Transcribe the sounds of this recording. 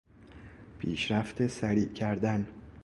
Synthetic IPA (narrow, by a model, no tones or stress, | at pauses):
pʰiːʃɾæft̪esæɾiːʔcʰæɾd̪æn